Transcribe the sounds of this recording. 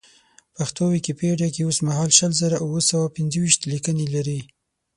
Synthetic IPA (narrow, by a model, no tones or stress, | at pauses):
paxt̪owikepəeɽjakeosmaɦɑlʃəlzəɾaʔuwəsawapɪnzəwiʃt̪likənelaɾi